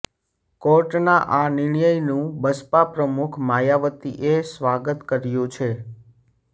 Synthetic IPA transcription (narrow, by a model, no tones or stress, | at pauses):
koɾʈnaʔanɪɳjəjnũbəspapɾəmukʰmajaʋət̪iʔesʋaɡət̪kəɾjũt͡ʃʰe